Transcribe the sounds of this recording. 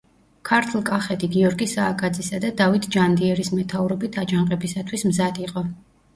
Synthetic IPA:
kʰaɾt̪ʰlˠkʼaχɛt̪ʰʼiɡiɔɾɡisaːkʼad̪zisad̪ad̪avit̪ʰd͡ʒand̪iɛɾismɛt̪ʰavɾɔbit̪ʰad͡ʒaŋqʼɛbisat̪ʰwismzad̪iqʼɔ

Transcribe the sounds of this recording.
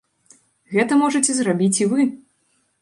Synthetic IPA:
ɣɛt̪ɐmɔʐɐt͡sʲɛzrabʲit͡sʲivɨ

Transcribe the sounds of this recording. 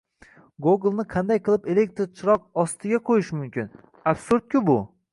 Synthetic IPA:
ɡoɡlˠnɪqʰɑnd̪ajqʰɨlˠɪpe̞le̞k̚ʲt̪ɾt͡ʃʰɪɾɒqɒst̪ʰɪɡʲaqʰojɪʃmʊmkʲʰɪn | apsʊɾd̪̚kʲɪbʊ

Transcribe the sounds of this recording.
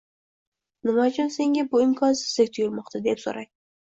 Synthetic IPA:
nɪmɒd͡ʒɒnse̞ŋɡʲabʊɪmkʰɒnsɪzlɪk̚ʲt̪ʰʊjʊɾmɒqt̪ʰad̪epso̰ɾaj

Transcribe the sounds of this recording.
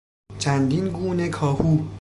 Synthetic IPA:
t͡ʃʰænd̪inɡuːne̞kʰɒːhuː

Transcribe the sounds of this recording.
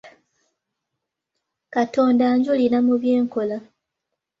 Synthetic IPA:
kato̞ːndaːɲɟulinamuβje̞ːŋko̞la

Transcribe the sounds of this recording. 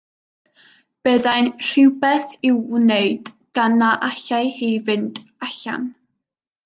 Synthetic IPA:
b̥ɛðajnr̥ɪwbɛθɪwneɨd | ɡ̥anaʔaɬajhiːvɨntʼaɬa̰n

